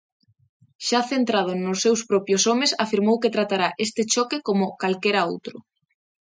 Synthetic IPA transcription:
ʃaθent̪ɾað̞ʊnʊsːewspɾɔpjosomesafiɾmowket̪ɾat̪aɾaʔest̪ɪt͡ʃɔkekomʊkalkeɾao̰wt̪ɾʊ

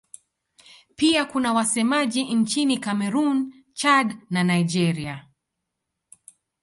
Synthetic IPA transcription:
piakunawasɛmaʄint͡ʃinikamɛɾun | t͡ʃadnanaid͡ʒɛɾia

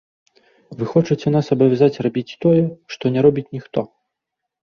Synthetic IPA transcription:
vɨxɔt͡ʂɐt͡sʲɛn̪asɐbɐvʲazat͡sʲrabʲit͡sʲt̪ɔjɛʂt̪ɔnʲɛɾɔbʲit͡sʲnʲixt̪ɔ

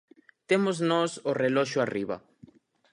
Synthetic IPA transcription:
t̪emoznosoreloʃoariβa̰

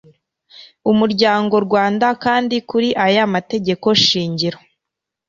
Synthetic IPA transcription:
umuɾɟaːŋɡo̞ɾɡwaːndakaːndikuɾiʔajamate̞ɟe̞ko̞ʃiːɲɟiɾo

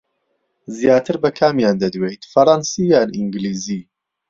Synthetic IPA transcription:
zjaːt̪ʰɨɾbɐkʰaːmjaːnd̪ɐd̪wejt̪fɐɾˤɑnsijaːnʔiŋɡliːzi

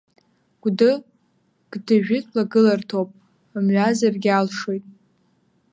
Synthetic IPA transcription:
ɡ̥ʷdɨ | ɡ̥dɨʒᶣɪtʰlaɡɨlartʰopʼ | amɥazarɡʲalʂojtʼ

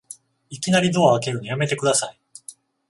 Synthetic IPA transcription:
ikʲinaɾʲid̪o̞aβake̞ɾɯ̟ɲijame̞t̪e̞kɯ̟d̪asai

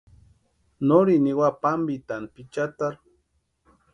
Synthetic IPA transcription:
noɾiniwapambit̪anpit͡ʃat̪aɾ

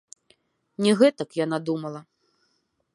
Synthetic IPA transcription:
nʲɛɣɛt̪ɐkjan̪ad̪umɐlˠɐ

